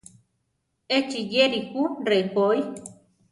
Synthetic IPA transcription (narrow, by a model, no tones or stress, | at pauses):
et͡ʃijeɾikurekoj